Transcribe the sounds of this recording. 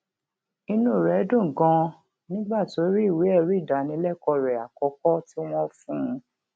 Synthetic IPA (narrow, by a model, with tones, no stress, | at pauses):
i˧nũ˦˨ɾɛ˨˦dũ˦˨ɡɔ̃˧ | nĩ˦ɡ͡ba˦˨ti˨˦o˨˦ɾi˦i˦˨wi˨˦ɛ˦˨ɾi˨˦˨da˨nĩ˨˦lɛ˦˨kɔ˧ɾɛ˨a˨kɔ˨˦kɔ˦ti˦w̃ɔ̃˦fũ˦˧